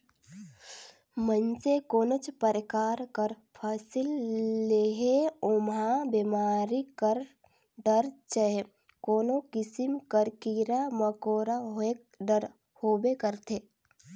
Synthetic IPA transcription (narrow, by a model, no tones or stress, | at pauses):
mənsekoːnot͡ʃpəɾɪkaːɾkəɾ | pʰaːsilːeɦeomɦãbemaːɾikəɾ | ɖəɾt͡ʃəe | koːnokɪsimkəɾkiɾaməkoːɾaɦoek̚ | ɖəɾ | hoːbekəɾt̪ʰe